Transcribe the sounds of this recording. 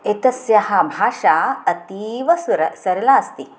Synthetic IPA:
et̪ɐsjɐɦɐbʱaːʂaːɐt̪iːʋɐsɾɐsɐɾɐlaːɐst̪i

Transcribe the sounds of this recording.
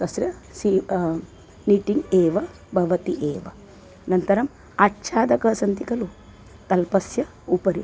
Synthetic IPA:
t̪ɐsɾjɐsiː | niːʈiŋɡeːʋɐ | bʱɐʋɐt̪iʔeːʋɐ̰ | nɐnt̪ɐɾɐm | aʈːʃaːd̪ɐkɐsɐnt̪ikɐlu | t̪ɐlpɐsjɐ | upɐɾi

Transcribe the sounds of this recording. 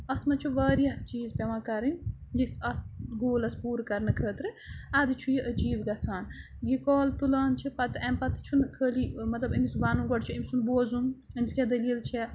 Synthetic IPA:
ɐt̪ʰmɐt͡ʃʰuʋɐːɾijɐht͡ʃiːzpʲɐʋãkɐɾɨnʲjisɐt̪̚ʰɡoːlɐspuːɾkɐɾnɐkʰəːt̪ɾɨad̪ɨt͡ʃʰujiʔəd͡ʒiːbɡɐt͡sʰaːn | jikɔːlt̪ulaːnt͡ʃʰipɐt̪ɨɐmpɐt̪ɨ̥t͡ʃʰunkʰəːlimɐt̪lɐbɐmisbaːnuɡɔɖt͡ʃʰiɐmʲsunboːzunɐmiskʲed̪ɐliːlt͡ʃʰɛ

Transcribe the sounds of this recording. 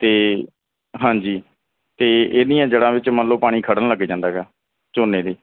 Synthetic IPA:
t̪eː | ɦãːd͡ʒiː | t̪eːeːnĩːãːd͡ʒəɽãːʋɪt͡ʃmənloːpaːɽ̃iːkʰəɽənləɡːeːd͡ʒãːnd̪aːɡɛː | t͡ʃoːnːeːd̪eː

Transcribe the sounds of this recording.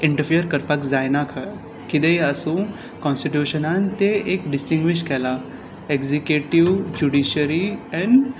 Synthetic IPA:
ɪ̃ɳʈəɾpʰijəɾkɐɾpakzaːjnakʰə | kɪd̪eiɐsũ | kɔ̃ːnsʈiʈjuːʃənãnt̪eeːkɖɪsʈĩŋɡʋɪʃkʰɛːla | ekzikjuːʈiwd͡ʒuɖiːʃəɾiɛ̃n

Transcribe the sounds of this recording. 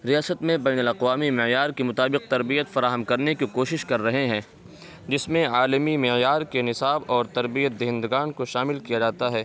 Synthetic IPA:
ɾijaːsət̪mẽbɛːnʊlɐqʋaːmimɪjaːɾkemʊt̪aːbɪq̚t̪ɐɾbijət̪fɐɾaːɦəmkɐɾnekikoːʃɪʃkɐɾːɐɦeɦɛ̃ː | d͡ʒɪsmẽaːlmimɪjaːɾkenɪsaːbɔːɾt̪ɐɾbijət̪̚d̪eɦɪ̃nd̪ɡaːnkoʃaːmɪlkijad͡ʒaːt̪aɦɛː

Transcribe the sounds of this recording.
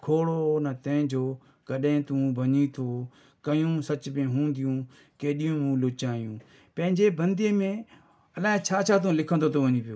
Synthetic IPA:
kʰoːɽonət̪ɐ̃ɦɪ̃d͡ʑoː | kəɗẽt̪ũːbʱɐɲit̪ʰoː | kɐjũsɐt͡ʃbẽɦũːnd̪ɪjũː | keːɗijũːmũːlʊːt͡ʃaːijũː | pɐ̃ɦɪ̃ɲd͡ʑeːbə̃nd̪emẽ | ɐlaːɦet͡ʃʰaːt͡ʃʰaːt̪ũːlɪkʰənd̪oːt̪ʰoʋəɲĩpijoː

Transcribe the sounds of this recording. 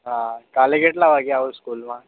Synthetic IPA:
ɦãkaleɡeʈlabʱaɡjaɦuskulma

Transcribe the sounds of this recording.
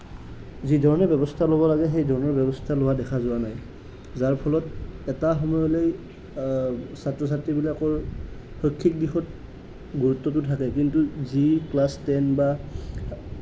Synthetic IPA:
zidʱɔɹɔnɛbɛbɔstʰalobɔlaɡɛɦejdʱɔɹɔnɔɹbɛbɔstʰalowadɛkʰazʊwanaj | zaɹpʰɔlɔtɛtaxɔmɔjɔlej | satɹɔs̬atɹibilakɔɹ | xokʰːik̚dixɔt̚ | ɡuɹutːɔt̬ʊtʰakɛkintuziklastɛnba

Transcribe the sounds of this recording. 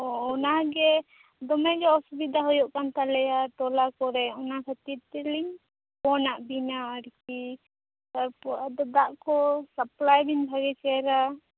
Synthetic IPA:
ɔɔnaɡɛ | d̪ɔmɛɡɛɔsubid̪ʱaɦɔjɔʔkant̪alɛjaʈ̪ɔlakɔɾɛɔnakʰat̪iɾt̪ɛliŋ | pɔnaʔbinaːɾki | t̪aɾpɔad̪ɔd̪aʔkɔsaplajbinbʱaɡɛt͡ʃɛɾa

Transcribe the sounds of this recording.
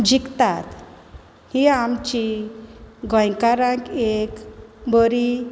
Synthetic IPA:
d͡ʑikt̪at̪ | hiamt͡ɕi | ɡə̃jkaɾãkekbəɾi

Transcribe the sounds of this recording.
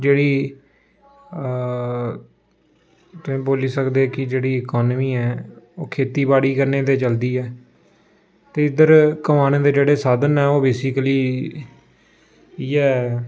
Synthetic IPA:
d͡ʒeːɽiː | t̪ʊẽːboːliːsəkd̪eːkɪd͡ʒeːɽiːəkɔːnmiːɛːo̰ːkʰeːt̪iːbaːɽiːkəɾneːd̪eːt͡ʃəld̪iːɛː | t̪eːɪd̪əɾkəmaːneːd̪eːd͡ʒeːɽeːsaːd̪ənɛːoːbeːsɪkəliː | iɛː

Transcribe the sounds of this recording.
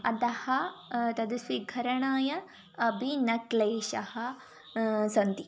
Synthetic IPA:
ɐ̰d̪ɐhɐt̪ɐd̪usʋiɡʱɐɾɐɳaːjɐ | ɐbʱinɐkleːʃɐhɐ | sɐnt̪i

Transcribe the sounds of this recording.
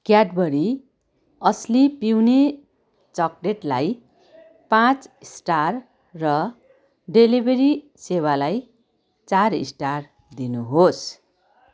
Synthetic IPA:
kjaɖbʌɾi | ʌslipiwne | t͡sʌkɖeʈlaj | pãt͡sisʈarː | ʌ | ɖelibʱeɾi | sewalaj | t͡sarḭsʈar | d̪inuɦos

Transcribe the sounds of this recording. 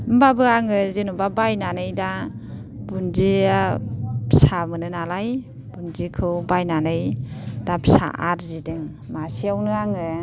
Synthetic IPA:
mbabɯaŋɯzinubabajnanɯjda | bunziapsamɯnɯnalaj | bunzikʰɯwbajnanɯjd̥apsa̰ʔa̰ɾzidɯŋ | masiawnɯaŋɯ

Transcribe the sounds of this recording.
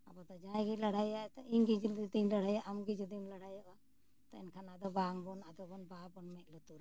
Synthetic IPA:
abɔt̪ɔd͡ʒãjɡilaɽ̤ajat̪ɔʔinɡid͡ʒild̪inləɽ̤ajaʔamɡid͡ʒid̪inlaɽajaʔa | t̪ɔɛ̰nkʰanad̪ɔbaŋbɔnad̪ɔbɔnbabɔnmɛt̪̚lut̪uɾ

